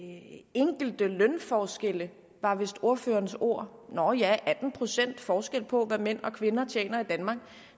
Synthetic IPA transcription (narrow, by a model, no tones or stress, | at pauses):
eŋ̰ɡ̥l̩d̥əlœnfɒːsɡ̥el̰ə | ʋɑ̈ʋe̝sd̥o̝ɐføːɐnso̝ɐ̰nɒjæʔæd̥n̩pʰʁo̝sen̰d̥fɒːsɡ̥el̰pʰɒ̽ʋæmen̰ɒ̽kʰʋe̝nɐt͡ɕʰjḛːnɐid̥ænmɑ̈ːɡ̥